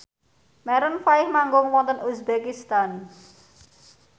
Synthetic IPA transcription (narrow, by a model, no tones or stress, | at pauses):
mɛɾənfaɪhmaŋɡʊŋwɔnt̪ənusbekist̪an